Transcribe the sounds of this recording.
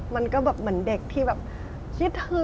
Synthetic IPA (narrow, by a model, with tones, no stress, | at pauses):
ma˧nkɔː˥˩bɛː˨˩p̚mɯ˩˦ənde˨˩k̚t̪ʰiː˥˩bɛː˨˩p̚ | t͡ɕʰi˦˥t̪̚hɯ˧